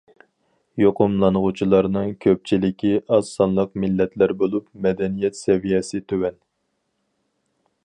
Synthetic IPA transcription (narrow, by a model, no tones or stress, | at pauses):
joqʊmlˠɑnʁʊt͡ʃʰilˠɑɾnɨŋkʲʰøp̚t͡ʃʰilɪkʲʰiɑzsɑnlˠəqmɪlːɛt̪læɾbolˠupmɛd̪ɛnijɛt̪sɛvijɛsɪt̪ʰøwɛn